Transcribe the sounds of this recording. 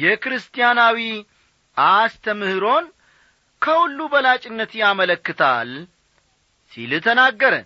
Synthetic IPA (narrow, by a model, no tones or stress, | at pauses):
jɛkɾɨst̪ʰʼijanawi | ʔast̪ʰəmɨhɨɾo̞n | kʰəhulːubəlat͡ʃʼɪnːət̪jamələkːɨt̪ʰa̰l | sḭlɨt̪ʰənaɡːəɾə̰n